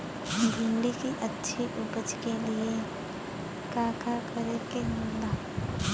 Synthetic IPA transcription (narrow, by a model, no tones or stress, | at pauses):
dʱimlikiʔətːʃʰiʔʊbəd͡ʒkelie | kaːkakəɾekemolaː